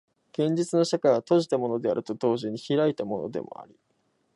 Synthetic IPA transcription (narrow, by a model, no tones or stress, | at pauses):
ɡ̥ẽ̞ɲ̟d͡ʑit͡sɨno̞ɕakajβat̪o̞ʑi̥t̪amo̞no̞d̪e̞aɾɯ̟t̪o̞d̪o̞ːʑiɲ̟içiɾait̪amo̞̰no̞̰d̪e̞̰mo̞̰a̰ɾʲi